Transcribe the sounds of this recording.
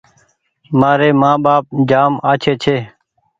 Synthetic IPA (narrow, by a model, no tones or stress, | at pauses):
maːɾeːmãːɓaːp̚d͡ʒaːmaːt͡ʃʰeːt͡ʃʰeː